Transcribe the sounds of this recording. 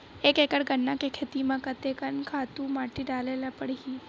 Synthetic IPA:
ekekəɽɡənːakekʰet̪imakət̪ekənkʰat̪umaʈiːɖalelapəɽɡiː

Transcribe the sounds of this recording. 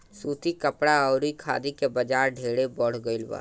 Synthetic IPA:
suːt̪ikəpɽaɔʊɾikʰa̰ːd̪ikebəd͡ʒaːɾɖʱeːɽebɔːɽ̤ɡəɪlba̰ː

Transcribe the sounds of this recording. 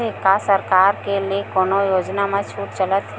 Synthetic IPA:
ekasəɾkaːɾkeliekoːnojoːd͡ʒnamẽt͡ʃʰuːʈt͡ʃələt̪ɦɛ

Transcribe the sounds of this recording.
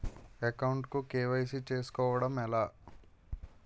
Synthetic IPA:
ekɐwɳʈkukeːʋɐjsit͡ʃeːsu̥kɔːʋɐɽɐmɛlaː

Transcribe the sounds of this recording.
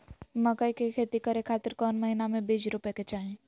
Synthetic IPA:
məkəikekʰeːt̪ikəɾekʰaːt̪ɪɾkɔːnməɦinamẽbid͡ʒɾʊpeket͡ʃaːɦẽ

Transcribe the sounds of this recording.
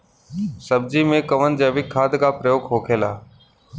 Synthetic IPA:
səb̚d͡ʑimẽkəʋən̆d͡ʑeʋɪkʰːaːd̪ʱkaːpɾəjoːkʰɦoːkʰeːla̰ː

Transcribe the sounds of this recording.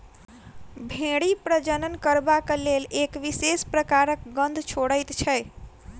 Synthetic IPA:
bʱẽɽipɾəd͡ʒənənkəɾbaklelekʋisespɾəkaɾək̚ɡənd̪ʱt͡ʃʰoɽəjt̪t͡ʃʰɛj

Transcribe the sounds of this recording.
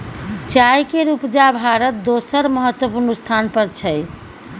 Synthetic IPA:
t͡ʃajkeɾupd͡ʒabʱaɾət̪̚d̪osəɾməɦət̪ːwəpuɾnust̪ʰanpəɾt͡ʃʰəj

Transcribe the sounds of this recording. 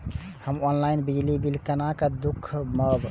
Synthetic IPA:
həmɔnlainbid͡ʒlibilkənakəd̪ukʰːməb

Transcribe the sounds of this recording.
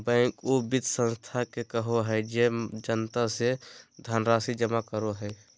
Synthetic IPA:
bɛ̃ːŋkobɪd̪sə̃nst̪ʰakekəɦoɦɛɪd͡ʒed͡ʒənt̪ased̪ʱaːnɾaːsid͡ʒəmakəɾoɦɛː

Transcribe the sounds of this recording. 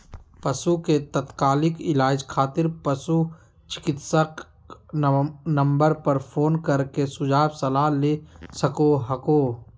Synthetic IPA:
pɐsuket̪ɐt̪kaːlɪkɪlaːd͡ʒkʰaːt̪ɪɾpɐsu | t͡ʃɪ̥kɪt̪sək | nə̃mbəɾpɐɾpʰoːnkɐɾkesʊd͡ʒaːbsɐlaːlesɐkoɦɐkoː

